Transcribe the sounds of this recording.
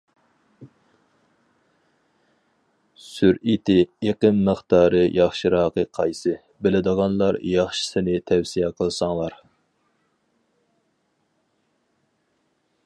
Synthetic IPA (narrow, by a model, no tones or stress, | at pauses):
syɾit̪ʰɪeqəmːəχt̪ʰɑːɾɨjʔɑχʃiɾɑːqəqʰɑjsɨ | bɪlɪd̪əʁɑnlˠɑɾjɑχʃɪ̥sɪnɪt̪ʰɛwsijɛqʰəlˠsɑŋlˠɑɾ